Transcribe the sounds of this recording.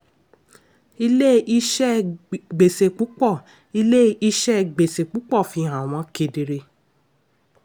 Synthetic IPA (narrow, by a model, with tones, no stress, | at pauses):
i˧le˦i˦˧ʃɛ˦ɡ͡be˨se˨k͡pu˨˦k͡pɔ˦˨ | i˧le˦i˧ʃɛ˦ɡ͡be˨se˨k͡pu˨˦k͡pɔ˦˨fi˧˦ɦã˨w̃ɔ̃˨˧˦ke˧de˨ɾe˧